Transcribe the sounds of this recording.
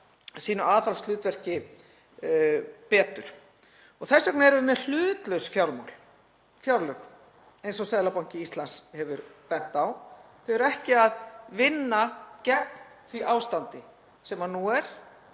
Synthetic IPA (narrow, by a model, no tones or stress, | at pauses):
siːnʏaːðθalst̪lʏːt̪vɛr̥cɪ | pɛːt̪ʏɾ̥ | ɔɣθɛsːaknaɛɾvʏmjɛɾl̥ʏːt̪lœwsfjawlma̰wl̥ | fjawɾlœx | ejnsɔsɛðlapawɲ̥cɪist̪lanshɛvʏɾpɛn̥t̪awθeɛɾɛhcɪaðvɪnːacɛt̪n | θviʔaːwst̪ant̪ɪ | sɛmanuɛɾ̥